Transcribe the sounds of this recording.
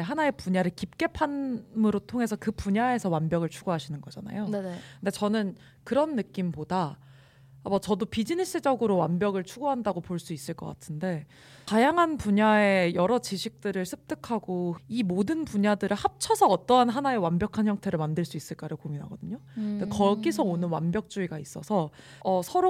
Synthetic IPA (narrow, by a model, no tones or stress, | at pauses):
ɦanae̞puɲaɾɯɭkip̚k͈e̞pʰanmɯɾotʰoŋɦe̞sʰʌkɯpuɲae̞sʰʌwanbjʌɡɯɭt͡ɕʰuɡoɦaɕʰinɯnɡʌd͡ʑana̰jokndet͡ɕʌnɯn | kɯɾʌnːɯk͈impodaː | ʌt͡ɕʌdopid͡ʑinis͈ɯd͡ʑʌɡɯɾowanbjʌɡɯɭt͡ɕʰuɡoɦandaɡopoɭs͈uis͈ɯɭk͈ʌk͈a̰tʰɯnde̞ | tajaŋɦanpuɲae̞jʌɾʌt͡ɕiɕʰik̚t͈ɯɾɯɭsʰɯp̚t͈ɯkʰaɡoimodɯnpuɲadɯɾɯɭhap̚t͡ɕʰʌsʰʌːt͈ʌɦanɦanaewanbjʌkʰançjʌŋtʰe̞ɾɯɭmandɯɭs͈uis͈ɯɭk͈aɾaɡkominɦa̰ɡʌdɯɲodekʌɡisʰʌonɯnwanbjʌk̚t͡ɕ͈uiɡais͈ʌsʰʌ | ʌsʰʌɾo